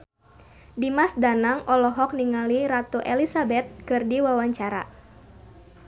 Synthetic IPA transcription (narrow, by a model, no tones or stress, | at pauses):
dimasdanaŋʔɔlɔɦɔk̚niŋaliɾat̪uʔɛlisabɛt̪̚kɨrdiwawaɲt͡ʃaɾa̰